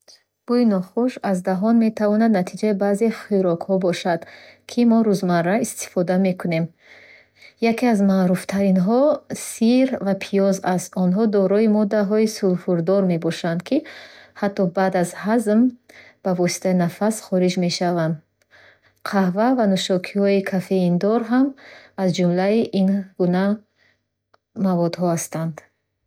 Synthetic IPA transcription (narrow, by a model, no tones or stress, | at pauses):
b̥uinɔχuʃazd̪aɦɔnme̞t̪ʰavɔnad̪nat̪ʰid͡ʒaibazeχiɾɔkhɔbɔʃad̪kʰimɔɾuzmarːaist̪ʰi̥fɔd̪ame̞kʰune̞m | jakʰiazmaɾuft̪ʰaɾinɦɔsiɾvapʰijɔzast̪ɔnɦɔd̪ɔɾɔimɔd̪aɦɔisulfuɾd̪ɔɾme̞bɔʃand̪kʰihat̪ːɔbad̪azhazmb̥avɔsi̥t̪ʰainafasχɔɾid͡ʒme̞ʃavand̪ | qʰahvavanuʃɔkʰihɔikʰafe̞ind̪ɔɾɦamazd͡ʒumlaiʔinɡuna | mavɔd̪ɦɔhast̪and̪